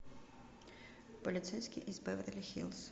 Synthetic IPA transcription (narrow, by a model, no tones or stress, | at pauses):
pɔlʲit̪sɛjsʲkʲiʔizbɪʋɐt̪elʲixʲḭlˠs